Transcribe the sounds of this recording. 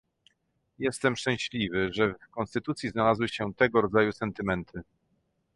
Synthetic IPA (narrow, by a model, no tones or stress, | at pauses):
jɛst̪ɛmʂt͡ʂɛ̃w̃ɕlʲivɘʐɛfkɔnst̪ɘt̪ut̪sʲjiznalazwɘɕɛt̪ɛɡɔɾɔd̪zajusɛnt̪ɘmɛnt̪ʰɘ